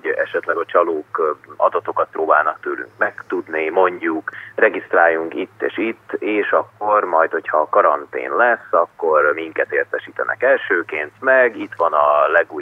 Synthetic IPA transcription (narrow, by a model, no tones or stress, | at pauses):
ɛ̰ʃɛt̪lɛɡɒt͡ʃɒloːkɒ̰d̪ɒt̪o̞kɒt̪̚proːbaːlnɒk̚t̪øːly̰ŋkmɛkt̪ud̪nimo̞ɲɟukrɛɡist̪raːjːuŋkit̪ːḛːʃit̪ːeːʃɒkːo̞rmɒjt̪ho̞chɒkɒɾɒnt̪ḛːnlɛsːɒkːo̞rmiŋkɛt̪eːrt̪ɛʃiːt̪ɛ̰nʔɛ̰kɛlʃøːkeːnt̪mɛɡit̪ʋɒnɒlɛɡuːj